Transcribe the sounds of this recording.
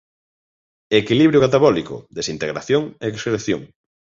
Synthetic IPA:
ekiliβɾjoɣat̪̬aβɔlikʊ̰ðesint̪eɣɾa̰θjoŋeːkskɾeθjo̰ŋ

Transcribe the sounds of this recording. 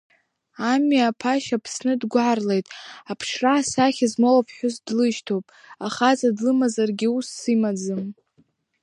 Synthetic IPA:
amɥapʰaʃapʰsnɨdɡʷaʕarlejtʼapʰʂraːsaχʲazmolapʰħʷᶣʊzdlɨʃtʰowpʼ | aχazadlɨmazarɡʲiusːimad͡zɨm

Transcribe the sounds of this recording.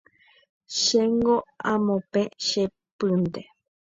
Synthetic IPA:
ʃeŋɡoãmõpẽʃe | pɨnd̪e

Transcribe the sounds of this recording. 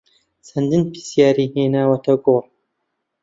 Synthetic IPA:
sɐnd̪ɨnpʰi̥sjaːɾiheːnaːwɐt̪ʰɐɡoːrˤ

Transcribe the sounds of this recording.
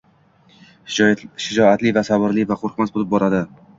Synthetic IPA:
ʃɪd͡ʒɒat̪livasabɪɾlivaqʰoɾqmasbolɪp̚bɒɾad̪ɪ

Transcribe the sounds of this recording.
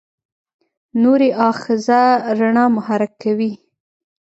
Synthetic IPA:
noɾeʔɑxɪzaɾaɳɑmʊhaɾakːawi

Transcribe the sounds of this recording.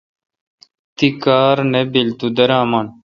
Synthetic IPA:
t̪ikaːɾnebilt̪ud̪ɐɾãːmaːn

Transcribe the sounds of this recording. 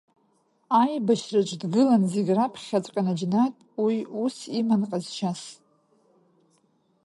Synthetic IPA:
ajbaʃrat͡ʃʷʼdɡɨlanzeɡʲrapʰχʲat͡sʷʼqʲʼanad͡ʒnatʼwiusimanqʼazt͡ʃʰas

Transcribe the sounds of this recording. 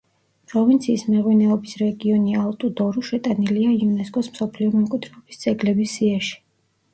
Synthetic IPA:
pʼɾɔvint̪sʰiːsmɛʁwinɛɔbisɾɛɡiɔnialˠt̪ʼud̪ɔɾuʃɛt̪ʼaniliaiunɛskʼɔsmsɔpʰliɔmɔmkʼwid̪̥ɾɛɔbisd̪sʼɛɡlɛbisiaʃi̥

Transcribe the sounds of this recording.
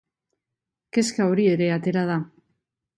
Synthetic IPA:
ke̞skaoɾie̞ɾe̞at̪e̞ɾað̞a

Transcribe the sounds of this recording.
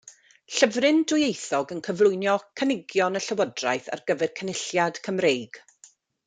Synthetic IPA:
ɬəvrɪndʊjejθɔɡənkʰəvlˠʊɨnjɔkʰənɪɡjɔnəɬəwɔdra̰jθa̰rɡəvɛrkʰənɪɬjad̥kʰəmrejɡ̥

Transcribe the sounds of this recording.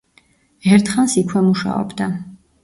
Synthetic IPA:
ɛɾt̪ʰχansikʰwɛmuʃa̰ɔ̰bd̪a

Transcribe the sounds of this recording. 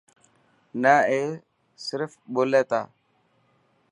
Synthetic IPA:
nəeː | sɪɾfɓoːleːt̪aː

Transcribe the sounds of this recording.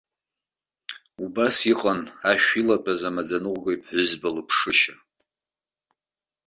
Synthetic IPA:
ubasiqʼanaʃᶣilat͡pʼazamad͡zanɨʁʷɡaipʰħʷʊzbalɨpʰʂɨʃa

